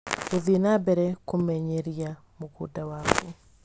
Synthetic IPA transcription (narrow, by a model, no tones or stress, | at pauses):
oðinabɛɾɛkomɛɲeɾija | mokṵdawaku